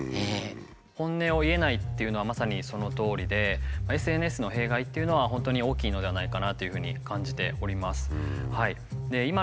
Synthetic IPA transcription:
e | hõ̞nːe̞o̞ie̞nait̪ːe̞iɯ̟noamasaɲ̟iso̞no̞t̪o̞ːɾʲid̪e̞mae̞sɨe̞n̟e̞sɨno̞ɦe̞ːɡait̪ːe̞iɯ̟no̞β̞aɦõ̞nt̪o̞ɲ̟io̞ːkʲiːno̞d̪e̞βanaikanat̪ːo̞jɯ̟ɸɯ̟ːɲ̟ikãɲ̟d͡ʑit̪e̞o̞ɾʲimasɨ̥hai | d̪e̞ima

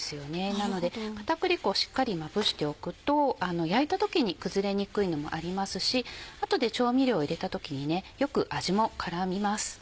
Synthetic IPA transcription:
sɨjo̞ne̞nano̞d̪e̞kḁt̪akɯ̟ɾʲiko̞ːɕi̥kːaɾʲimabɯ̟ɕi̥t̪e̞o̞kɯ̟t̪o̞ano̞jait̪at̪o̞kʲiɲ̟ikɯ̟zɨɾe̞ɲ̟ikɯ̟ino̞mo̞̰ʔaɾʲimasɨɕiat̪o̞d̪e̞t͡ɕo̞ːmʲiɾʲo̞ːiɾe̞t̪at̪o̞kʲiɲ̟ine̞jo̞kɯ̟ʔaʑimo̞kʰaɾamʲimasɨ̥

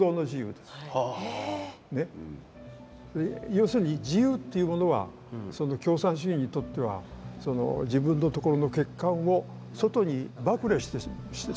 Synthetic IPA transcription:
o̞ːno̞ʑijɯ̰ːd̪e̞s | ne̞ | ejo̞ːsɨɾɯ̟ɲ̟id͡ʑijɯːt̪ːe̞jɯ̟mo̞no̞βa̰ | so̞no̞kʲo̞ːsãɰ̃ɕ̬iĩɲ̟ːit̪o̞t̪ːe̞βa̰so̞no̞̰d͡ʑibɯ̟̃nːo̞t̪o̞ko̞ɾo̞noke̞kːãɰ̃o̞ | so̞t̪o̞ɲ̟ibakɯ̟ɾeɕi̥t̪e | ɕi̥t̪e

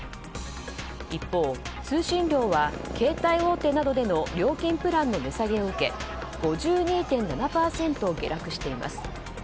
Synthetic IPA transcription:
ipːo̞ːt͡sɨːɕĩnɾʲo̞ːβa | kʰe̞ːt̪aio̞ːt̪e̞ːnad̪o̞d̪e̞no̞ɾʲo̞ːkʲĩmpɯ̟ɾãnːo̞me̞saɡe̞oɯ̟ke̞̰ | ɡ̥o̞ʑɨːɲ̟iːt̪ẽ̞nnanapaːsẽ̞nt̪o̞ːɡe̞ɾakɯ̟ɕi̥t̪e̞ima̰sɨ̥

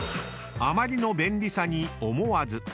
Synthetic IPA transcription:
amaɾʲino̞bẽ̞nɾʲisaɲ̟iomo̞azɨ

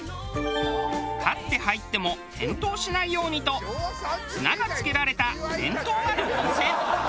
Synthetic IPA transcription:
kʰat̪ːe̞hait̪ːe̞mo̞hẽ̞nt̪o̞ːɕinaijo̞ːɲ̟it̪o̞ | ɯnaɡat͡sɨ̥ke̞ɾaɾe̞t̪aẽ̞̰nt̪o̞ːnaɾɯ̟kõsẽ

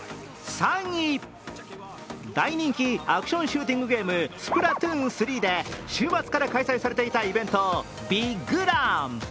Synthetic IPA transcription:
sãɲːi | d̪aiɲ̟ĩŋkʲiakɯ̟ɕõ̞ɰ̃ɕɨːt̪̬ʲĩŋɡɯ̟ɡe̞ːmɯ̟sɨ̥pɯ̟ɾat̪ɯ̃sɨɾʲiːd̪e̞ɕɨːmat͡sɨ̥kaɾakaisaisaɾe̞t̪e̞it̪aibẽ̞nt̪o̞ | bʲiɡɯɾãm

